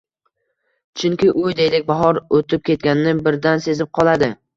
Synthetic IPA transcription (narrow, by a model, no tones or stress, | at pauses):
t͡ʃʰʊŋkʲɪʔʊjd̪ejlɪk̚ʲbaɦɒɾot̪ʰɪp̚kʲʰe̞t̪̚ɡʲanɪnɪbɪɾd̪anse̞zɪp̚qʰɒlˠad̪ɪ